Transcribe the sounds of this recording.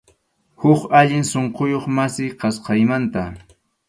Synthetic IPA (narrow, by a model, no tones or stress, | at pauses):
hʊkaʎɪŋsoɴqojoχmasɪjqɑsqɑjmant̪a